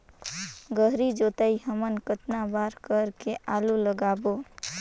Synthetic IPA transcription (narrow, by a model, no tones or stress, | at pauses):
ɡəɦɾid͡ʒot̪əiɦəmənkət̪nabaɾkəɾkeʔaluləɡabo